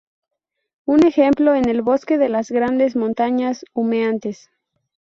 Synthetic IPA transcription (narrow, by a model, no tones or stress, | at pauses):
une̞xe̞mplo̞ene̞lβo̞ske̞ðe̞lazɣɾand̪e̞zmõ̞nt̪aɲasumeant̪e̞s